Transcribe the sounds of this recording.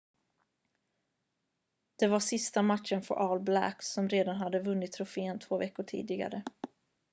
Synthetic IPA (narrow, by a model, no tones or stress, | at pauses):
d̪̥ɛvaʂɪst̪amat̪ʂənfœ̰ɾʔɑːlblæ̰ksɔmɾeːd̪anɦad̪ːəvɵnːɪt̪ʰːɾʊfeːənt̪ʰvoːvɛkːʊʈʰḭːd̪ɪɡa̰ɾə